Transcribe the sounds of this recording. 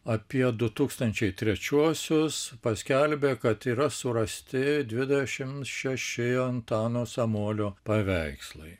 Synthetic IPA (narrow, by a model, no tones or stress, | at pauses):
ɐpʲiɛd̪ʊt̪uːkst̪ɐnʲt͡ʃʲɛɪt̪ʲɾʲɛt͡ʃʲuɔsʲʊspɐsʲkʲɛlʲbʲeːkɐt̪iːɾɐsʊɾɐsʲt̪ʲɪd̪ʲʋʲɪd̪ʲɛʃʲɪmt̪ʃʲɛʃʲɪɐnt̪ɑːnoːsɐmuɔlʲoːpɐʋʲɛɪkslˠɐɪ